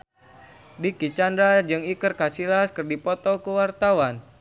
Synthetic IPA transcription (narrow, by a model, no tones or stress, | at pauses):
dikit͡ʃandɾad͡ʒɨŋikərkasilaskɨrdipɔt̪ɔkuwart̪awan